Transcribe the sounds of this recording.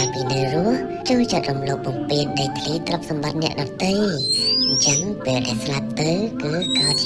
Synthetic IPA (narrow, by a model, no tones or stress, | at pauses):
npiːnɨwrʊəh | t͡ɕoːlt͡ɕət̪̚rumloːp̚ɓɑmpiənɗajt̪ʰliːt̪rəp̚sɑmɓɑt̪̚nɛ̆əʔɗɑt̪ɨjɲt͡ɕəŋpeːlɗa̰ɛlslap̚t̪ɨwkɨːkaːt͡ɕ